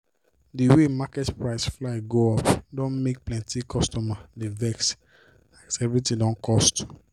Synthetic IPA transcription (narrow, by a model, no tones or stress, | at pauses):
diwemakɛtpɹaɪsflaɪɡoɔpdɔ̃nmek̚plɛ̃ntikʰɔstɔmadevɛks | aksɛvɹitĩdɔ̃nkʰɔst